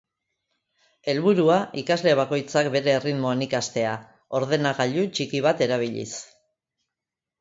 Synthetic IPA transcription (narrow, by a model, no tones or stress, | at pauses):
e̞lβuɾuaikazle̞β̞ako̞jt͡sakbe̞ɾe̞ːriðmo̞enikast̪e̞a | o̞ɾð̞e̞naɣaʎut͡ʃikiβ̞at̪e̞ɾaβiʎḭs